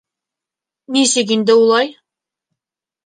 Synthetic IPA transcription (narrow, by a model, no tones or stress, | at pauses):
nisɘkind̪ɘulˠɑj